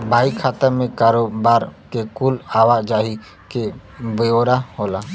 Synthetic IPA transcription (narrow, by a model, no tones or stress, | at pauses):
bʱaːikʰaːt̪əmẽkaːɾoːbaːɾkekulaːʋad͡ʒaːɦi | kebəjoːɾahoːlaː